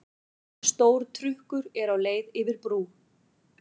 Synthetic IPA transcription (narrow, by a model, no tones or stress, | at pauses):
st̪oːwɾ̥t̪ʰɾʏhkʏɾɛɾawleːjðɪvɪɾpɾuː